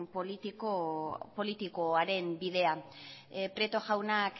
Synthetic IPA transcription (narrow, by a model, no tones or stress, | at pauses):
p̪opo̞lit̪ikoaɾe̞mbiðe̞a | pɾe̞t̪o̞ʝawnak